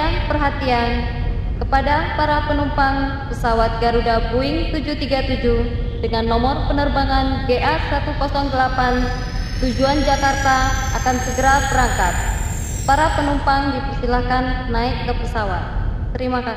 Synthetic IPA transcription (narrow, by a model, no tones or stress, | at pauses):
apərɦat̪ian | kəpadapaɾapənumpaŋ | pəsawat̪̚ɡaɾudabuɪŋt̪ud͡ʒut̪iɡat̪ud͡ʒuh | dəŋanːɔmɔrpənərbaŋanɡeʔasat̪ukɔsɔŋdəlapan | t̪ud͡ʒuand͡ʒakart̪aːkansəɡəɾabəɾaŋkat̪̚ | paɾapənumpaŋdipərst̪ilahkanːaɪkːəpəsawat̪̚ | t̪əɾimaka